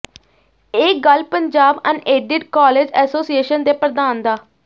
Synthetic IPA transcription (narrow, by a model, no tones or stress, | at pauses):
eːkɡəlpəɲd͡ʒaːbə̰̃ɳɖeːɖɪʈkaːleːd͡ʒɛːsoːsieːʃənd̪eːpɾəd̪aːnd̪aː